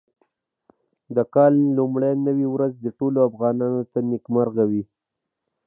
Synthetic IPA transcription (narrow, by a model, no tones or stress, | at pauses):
d̪əkɑlːumɽajnəwiwɾazd̪əʈoloafɣɑnɑnot̪anɪkmaɾɣawi